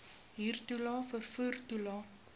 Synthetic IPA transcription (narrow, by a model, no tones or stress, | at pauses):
ɦiːrtulɑːfərfuːrtulɑ